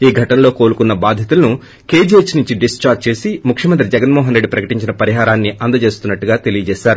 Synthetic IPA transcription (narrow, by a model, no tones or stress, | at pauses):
iːɡʱɐʈɐnlo̞ːko̞ːlukunːɐbaːd̪ʱjɐt̪ulɐnu | ke̞ːd͡ʒeːt͡ʃnuɲt͡ʃiɖist͡ʃaːʈ̚t͡ʃe̞ːsimukʰʂjɐmɐnt̪ɾid͡ʒɛɡɐnmɔːɦɐnɾe̞ɖːipɾɐkɐʈiɲt͡ʃinɐpɐɾiɦaːɾaːnːiʔɐnd̪ɐt͡ʃe̞ːst̪unːɐʈːuɡaːt̪e̞lijɐt͡ʃɛːʃaːɾu